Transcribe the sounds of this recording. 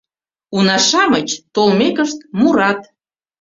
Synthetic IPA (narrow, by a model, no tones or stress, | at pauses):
unɑʃɑmət͡ɕt̪olmekəʃt̪̚muɾɑt̪